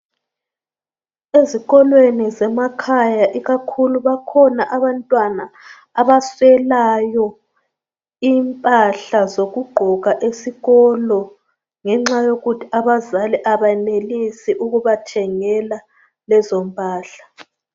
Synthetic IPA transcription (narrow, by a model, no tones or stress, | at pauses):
eziɣɔlwenizɛmakʰajaʔiɣakʰuluβakʰɔnaʔaβantʼwanaː | βaswɛlajɔ | iːmpʼaɬazoɣuɡ͡ǃʱɔɣaʔesiɣɔlɔ | ŋɛŋ͡ǁajoɣutʰiaβazalɛʔaβaɛnelisiʔuɣuβatʰɛŋɛla | lɛzɔmpʼaːɬḁ